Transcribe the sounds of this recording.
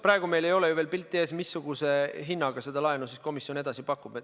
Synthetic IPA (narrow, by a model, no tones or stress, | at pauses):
pɾɑe̞ɡ̥ume̞jle̞jo̞lejuve̞ːlpilt̪ːˑieːsmisːuɡ̥use̞ɦinːɑɡ̥ɑse̞d̪̥ɑlɑenusisko̞misjo̞ne̞d̪ɑsipɑkːˑub̥e